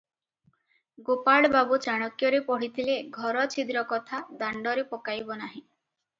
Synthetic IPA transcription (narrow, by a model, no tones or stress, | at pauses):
ɡopaɽbabut͡ʃaɽ̃ɔkjɔɾepɔɽ̤it̪ʰileɡʱɔɾɔt͡ʃʰid̪ɾɔkɔt̪ʰad̪aɳɖɔɾepɔkajbɔnaɦĩ